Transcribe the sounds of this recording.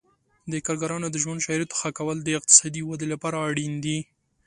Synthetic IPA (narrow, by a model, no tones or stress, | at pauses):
d̪əkɑɾɡaɾɑnod̪əʒwand̪ʃɑjɾat̪o̥xakawəld̪əɪq̚t̪ɪ̥sɑd̪iwad̪elapɑɾaːɽind̪i